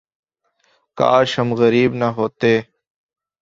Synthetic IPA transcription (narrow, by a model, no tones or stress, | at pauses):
ka̰ːʃɦəmɣəɾiːbnaɦoːt̪eː